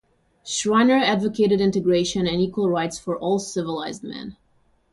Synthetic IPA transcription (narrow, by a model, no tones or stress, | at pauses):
ʃɹaɪ̃nə˞ædvəkʰeɪɾɨɾɪ̃ntɨɡɹeɪʃɨ̃nɨ̃nikwəl̩ˠɹaɪtsfə˞ʔɔlˠsɪvəlaɪzd̚mɛ̰̃n